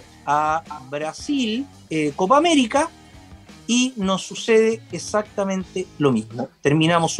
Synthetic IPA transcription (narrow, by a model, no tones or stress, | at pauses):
aβɾasil | ekop̬aːmeɾika | inosːuseðeːsak̚t̪amẽnt̪elomizmot̪eɾminamos